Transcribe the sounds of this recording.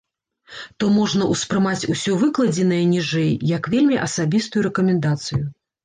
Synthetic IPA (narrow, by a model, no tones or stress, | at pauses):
t̪ɔmɔʐnɐʔuspɾɨmat͡sʲusʲɔvɨklˠɐd͡zʲɛnɐjɐnʲiʐɛjjɐkvʲelʲmʲiʔɐsabʲist̪ujuɾɛkɐmʲɛnd̪at̪sɨju